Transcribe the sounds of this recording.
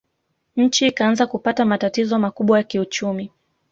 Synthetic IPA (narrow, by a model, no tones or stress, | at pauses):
ɲ̩t͡ʃikaanzakupatamatatizɔmakuɓwajakiut͡ʃumi